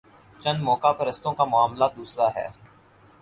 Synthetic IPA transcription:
t͡ʃɐ̃nmɔːkapɐɾɐst̪õkamʊaːmlad̪uːsɾaːɦɛ̰ː

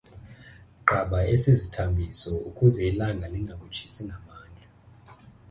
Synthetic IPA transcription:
ɡ͡ǃʱaɓaesizitʰambʱisɔukʼuzɛilaŋɡʱaliŋɡʱak̬ʼu̥t͡ʃʰi̥siŋʱamaːnd͡ɮʱa

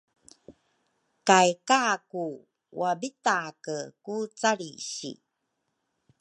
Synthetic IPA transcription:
kajkaku | wabitakəkut͡saɾḭɕḭ

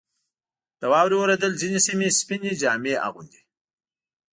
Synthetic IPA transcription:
d̪̥əwɑːwɾiwəɾad̪əlzinisimispinid͡ʒɑːmeʔa̰ɣund̪i

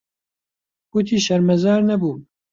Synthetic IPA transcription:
but̪ʰiːʃɐɾmɛzɑːɾnɐbuː

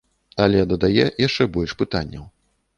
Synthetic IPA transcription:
ɐlʲɛd̪ɐd̪ajɛjaʂt͡ʂɛbɔlʲʂpɨt̪anʲːɐw

